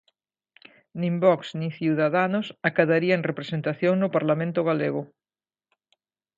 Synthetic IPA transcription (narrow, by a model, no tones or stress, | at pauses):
nĩmbɔksnĩŋθjuðaðanʊsakaðaɾiaẽŋrepɾesent̪aθjoŋnʊpaɾlamẽnt̪ʊɣ̞aleɣʊ